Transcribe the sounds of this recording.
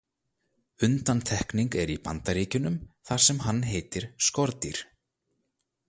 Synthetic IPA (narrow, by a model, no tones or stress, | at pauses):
ʏnt̪ant̪ʰɛhkniŋkɛɾipa̰nt̪aɾiːcʏnʏmθaɾ̥sɛmɦanːɦeːjt̪ɪɾ̥skɔɾt̪iɾ̥